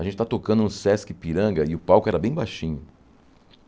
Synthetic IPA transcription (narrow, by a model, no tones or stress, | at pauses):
ɐʒẽt͡ʃɪt̪aɐt̪okɐ̃d̪ũsɛskɪpiɾɐ̃ɡɐɪʊpawkʊɛɾɐbẽj̃bajʃĩɲʊ